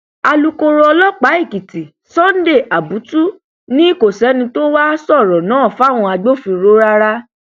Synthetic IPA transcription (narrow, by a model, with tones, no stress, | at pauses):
a˧lu˧ko˧ɾɔ˧lɔ˦k͡pa˨˦i˦˨ki˨ti˨ | sɔ˦n̩˦de˦˨ʔa˨bu˨˦tu˦ | nĩ˦i˦˨ko˨sɛ˨˦nĩ˧to˦wa˦sɔ˦˨ɾɔ˨nãː˨˦˨fa˦˨w̃ɔ̃˧a˧ɡ͡bo˦fĩ˧ɾo˦ɾa˦ɾa˦